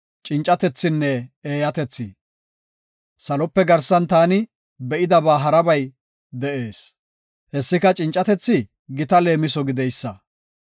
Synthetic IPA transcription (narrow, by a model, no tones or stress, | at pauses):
t͡ʃʼɪnt͡ʃʼːɐt̪ɛt͡sːɪnːɛeːjɐt̪ɛt͡sːɪ | sɐlɔpːɛɡɐɾsɐnt̪aːnɪ | bɛʔɪd̪ɐbaːɦɐɾɐbɐj | d̪ɛʔe̞ːs | hɛsːɪkɐt͡ʃʼɪnt͡ʃʼːɐt̪ɛt͡sːɪ | ɡɪt̪ɐle̞ːmɪs̬ɔɡɪd̪ɛjsːɐ